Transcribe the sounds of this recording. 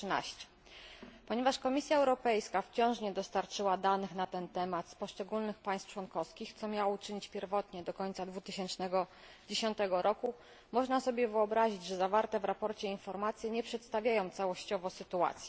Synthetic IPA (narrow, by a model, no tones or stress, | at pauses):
na̰ɕt͡ɕɛ̥ | pɔɲɛvaʂkɔmʲisʲjaɛwɾɔpɛjskaft͡ɕɔ̃w̃ʂɲɛd̪ɔst̪aɾt͡ʂɘwad̪anɘxnat̪ɛnt̪ɛmat̪spɔʂt͡ʂɛɡulnɘxpaj̃st̪ft͡ʂwɔnkɔfskʲixt̪sɔmʲjawut͡ʂɘɲit͡ɕpʲjɛɾvɔt̪ɲɛd̪ɔkɔɲt̪sad̪vut̪ɘɕɛnt͡ʂnɛɡɔ | d͡ʑeɕɔnt̪ɛɡɔɾʔɔku | mɔʐnasɔbʲjɛvɘɔbɾaʑid͡ʑʐɛzavaɾt̪ɛvɾapɔɾt͡ɕɛinfɔɾmat̪sʲjɛɲɛpʂɛt̪st̪avʲjajɔ̃w̃t̪sawɔɕt͡ɕɔvɔsɘt̪ua̰t̪sʲjɛ